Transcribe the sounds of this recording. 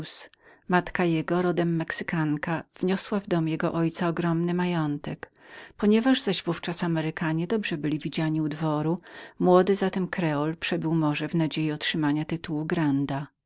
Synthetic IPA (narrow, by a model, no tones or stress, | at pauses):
smat̪kajɛɡɔɾɔd̪ɛmːɛksɘ̥kaŋkav̥ɲɔswavd̪ɔmjɛɡɔʔɔjt̪saɔɡɾɔmnɘmajɔnt̪ɛk | pɔɲɛvaʐzaʑvuft͡ʂasamɛɾɘkaɲɛd̪ɔbʐɛbɘlʲivʲid͡ʑaɲiud̪vɔɾumwɔd̪ɘzat̪ɛmkɾɛɔlpʂɛbɘwmɔʐɛvnad͡ʑejiɔtʂɘmaɲat̪ɘt̪uwuɡɾand̪a